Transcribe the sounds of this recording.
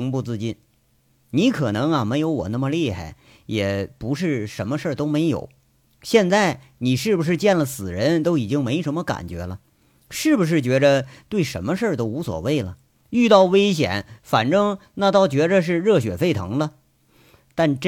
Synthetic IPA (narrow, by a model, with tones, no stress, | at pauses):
ŋpu˥˧t͡sɹ̩˥˧t͡ɕi˥˩n | ni˧˥kʰɤ˨˩nɤ˧˥ŋɐ˨me˧˥ɪjo˧˥ʊwɔ̰˨˩na˥˩mə˧li˥˧xa˥˩ɪ | jɛ˨˩pu˧˥ʂɻ̩˥˩ʂə˧˥nmə˧ʂə˞˥˩t̪o˥ʊme˧˥ɪjo̰˨˩˦ʊ | ɕjɛ˥˧nt͡sa˥˩ɪ | ni˨˩ʂɻ̩˥˩bu˩ʂ̬ɻ̩˥˧t͡ɕjɛ˥˩nlə˩sɹ̩˨˩ɻə˧˥nt̪o˥ʊi˨˩t͡ɕi˥ŋme˧˥ɪo˨˩ʂə˧˥mə˧ka̰˨˩nt͡ɕɥɛ̰˧˥lə˧ | ʂɻ̩˥˩bu˩ʂ̬ɻ̩˥˩t͡ɕɥɛ˧˥d̪ə˧t̪we˥˩ɪʂə˧˥nmə˧ʂə˞˥˩t̪o˥ʊu˧˥swɔ̰˨˩we˥˩ɪlə̰˩ | y˥˧t̪ɑ˥˩ʊwe˥ɪɕjɛ̰˨˩˦nfa˨˩nʈ͡ʂɤ˥˧ŋ | na˥˧t̪ɑ˥˩ʊt͡ɕɥɛ˧˥d̪ə˧ʂ̬ɻ̩˥˧ɻɤ˥˩ɕɥɛ̰˨˩fe˥˩ɪt̪ʰɤ˧˥ŋlə˧ | t̪a˥˧nʈ͡ʂ